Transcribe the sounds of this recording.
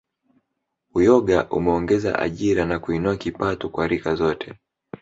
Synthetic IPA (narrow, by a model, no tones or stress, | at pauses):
ujɔɠaʔṵmɛɔŋɡɛza̰ʔa̰ʄiɾanakuinuakipatɔkwaɾikazɔtʰɛ